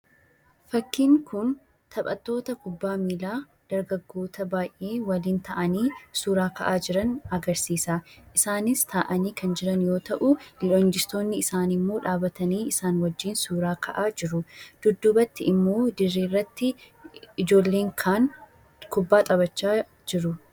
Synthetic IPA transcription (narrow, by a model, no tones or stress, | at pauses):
fɐkːiːŋkʊn | t̪ʰɐpʼɐ̰t̪ːo̞ːt̪ɐkʊbːaːmiːlaː | d̪̥ɐɾɡɐɡːo̞ːt̪ɐbaːjʔːe̞ːwɐliːnt̪ʰɐʔɐniːsuːɾaːkɐʔaːd͡ʒɪɾɐnɐɡɐɾsiːsaːʔɪsaːnɪst̪ʰaːʔɐniːkɐnd͡ʒɪɾɐnjo̞ːt̪ɐʔʊlɪlond͡ʒɪst̪o̞ːnːɪːsaːnɪmːo̞ːᶑaːbɐt̪ɐniːɪsaːnwɐd͡ʒːiːnsuːɾaːkɐʔaːd͡ʒɪɾʊd̪̥ʊd̪ːʊbɐt̪ːɪɪmːo̞ːd̪ɪrːiːrːɐt̪ːɪ | ɪd͡ʒo̞ːlːe̞ːŋkʰaːn | kʊbːaːt̪ʼɐbɐt͡ʃːaː | d͡ʒɪɾʊ